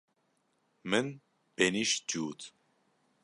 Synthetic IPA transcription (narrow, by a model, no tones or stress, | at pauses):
mən | b̥eniʃd͡ʒuːt̪ʰ